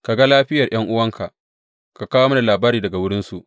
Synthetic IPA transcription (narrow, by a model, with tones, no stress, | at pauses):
ka˨ɡa˦laː˦ɸɪ˦jɐ˨rj̰ɐ˦ŋʔʊ˦wɐ˦ŋkʰa˨ʔ | ka˨kaː˦woː˦mɐ˦na˨laː˨baː˦ɾiː˨dɐ˨ɡa˨wʊ˦ɽɪ˦nsu˨ʔ